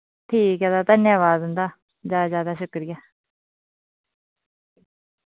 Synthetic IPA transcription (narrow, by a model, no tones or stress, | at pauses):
t̪ʰiːkaːd̪aːt̪ənjaːʋaːd̪ɦʊ̃nd̪aː | zaːzjaːd̪aːʃʊkɾɪjaː